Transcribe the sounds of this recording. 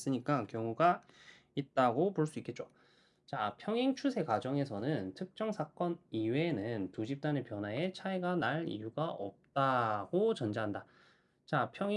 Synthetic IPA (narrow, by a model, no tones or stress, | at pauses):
s͈ɯɲik͈akjʌŋuɡa | it̚t͈aɡopoɭs͈uik͈e̞t̚t͡ɕ͈o̥ | t͡ɕapʰjʌŋeŋt͡ɕʰusʰe̞kad͡ʑʌŋe̞sʰʌnɯntʰɯk̚t͡ɕ͈ʌŋsʰak͈ʌniwe̞nɯntud͡ʑip̚t͈anɯnpjʌnɦwae̞t͡ɕʰaeɡanaɭḭjuɡaʌ̰p̚t͈aɡ̥ot͡ɕʌnd͡ʑaɦanda | t͡ɕapʰjʌŋ